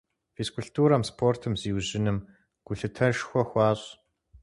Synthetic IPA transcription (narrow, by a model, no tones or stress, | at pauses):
feskʰʊɬtʰuːɾɐmspʰoːrtʰɨmziːwʑɪnɨm | ɡ̥ʷʊɬɨtʰɐʃxʷɔxʷɑːɕʼ